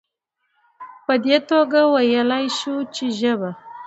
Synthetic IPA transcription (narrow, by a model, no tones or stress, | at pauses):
pəd̪et̪oɡawajəlajʃut͡ʃeʒəba